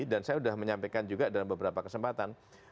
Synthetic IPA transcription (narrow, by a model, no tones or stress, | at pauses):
dansajaudahməɲampekand͡ʒuɡadalambəbəɾapakəsəmpat̪an